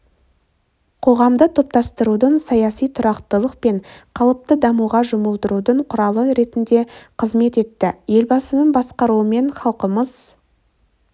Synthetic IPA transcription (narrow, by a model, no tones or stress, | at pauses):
qʰo̞ʁɑmd̪ət̪ʰo̞p̚t̪ɑst̪əɾud̪əɴsɑjɑsijt̪ʰʊɾɑqt̪əlˠəqpe̞ɴqʰɑlˠəp̚t̪əd̪ɑmuʁɑʒʊməlˠd̪əɾud̪əɴqʰʊɾɑlˠəɾe̞t̪ɪnd̪e̞qʰəzme̞t̪e̞t̪ːɪje̞lbɑsənəɴbɑsqɑɾuəme̞ɴχɑlˠqəməz̥